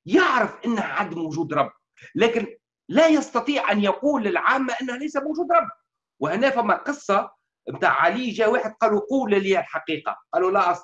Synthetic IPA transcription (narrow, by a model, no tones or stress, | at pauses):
jɪʕɾəfʔɪnːəhʕad̪ːmwʊʒuːd̪ɾˤɑbː | lɛːkɪn | læjɑst̪ɑt̪ˤiːʕʔænjaquːlːɪlʕaːmːaʔɪnːhælæjsæmwʒuːd̪ɾˤɑbː | wɪhnɛːfæmːaqɨsˤːɑ | mt̪a̰ːʕʕaliːʒæːweːħɪd̪̚qɑːluquːlliælħaqiːqɑ̰qɑːlulæʔɑsˤ